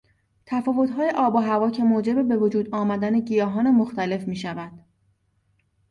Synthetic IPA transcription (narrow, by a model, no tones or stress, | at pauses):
t̪ʰæfɒːvo̞t̪ɦɒːjeʔɒːboɦævɒːcʰe̞moːd͡ʒe̞bebe̞vod͡ʒuːd̪ɒːmæd̪æne̞ɟijɒːɦɒːnemoxt̪æle̞fmiːʃævæd̪̥